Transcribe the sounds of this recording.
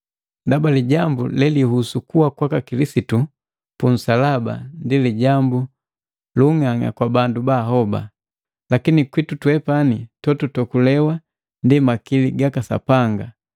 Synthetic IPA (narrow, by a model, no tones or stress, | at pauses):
ndabaliɟambulɛlihusukuwakwakakilisitu | pun̩salaba̰ndiliɟambu | luŋaŋa̰kwabandubaɦɔba̰ | lakinikwitutwɛpanitɔtutɔkulɛwa | ndimakiliɡakasa̰paŋɡa